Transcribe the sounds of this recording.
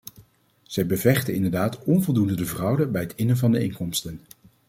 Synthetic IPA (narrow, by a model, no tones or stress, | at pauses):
z̥ɛjbəvɛχtəɪndəɹdaːtɔnvɔlˠdundədəvrʌwdəbɛjɦətɪnəvɑndəɪŋkɔmstən